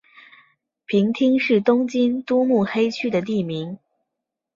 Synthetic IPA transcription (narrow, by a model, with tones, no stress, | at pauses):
pʰi˧˥ŋt̪ʰi˥ŋʂɻ̩˥˩t̪ʊ˥ŋt͡ɕi˥nt̪u˥mu˥˩xe˥ɪt͡ɕʰy˥d̪ə˨t̪̬i˥˩mi˧˥ŋ